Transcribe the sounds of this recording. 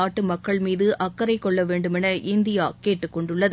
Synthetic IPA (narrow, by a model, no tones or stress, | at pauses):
aːʈːɯmɐkːɐɭmiːðɯʔɐkːɐɾɐɪkːɔɭːɐʋeːɳɖɯmɛnɐʔɪnd̪ɪjaːkeːʈːɯkːɔɳɖɯɭːɐð